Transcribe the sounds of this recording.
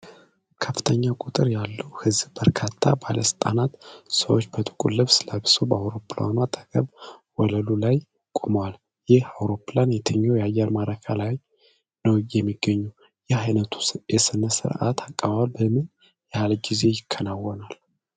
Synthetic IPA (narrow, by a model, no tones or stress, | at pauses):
kʰəfːɨ̥t̪ʰəɲːakʼut̪ʼɨɾjalːəwhɨzb̥əɾkʰat̪ʰːa̰baləsɨ̥t̪ʼa̰nat̪səwot͡ʃːbət̪ʰʼɨkʼulːɨβsɨlabɨsobəawɾo̞pʰla̰nwat̪ʼəɡʼəβwɔləlulaj | kʼoməwal | jɪhawɾo̞planjɛt̪ʰɨɲːawjɛajɛɾmaɾəkʰalaj | nəwjɛmːiɡ̥ːəɲːu | jɛajnət̪ʰu̥jɛsɨnəsɨ̰ɾʔa̰t̪ʰakʼːəβawalbəmɨn | jɛhalɡize̞jɪkʰːənawːɔnal